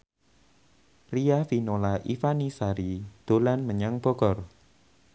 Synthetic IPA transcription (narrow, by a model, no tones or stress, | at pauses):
riafinolaʔifanisaɾid̪̥o̤lanməɲaŋb̥ɔɡɔr